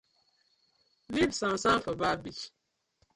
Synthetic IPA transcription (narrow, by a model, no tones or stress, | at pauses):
vibsãmsãfəbabit͡ʃ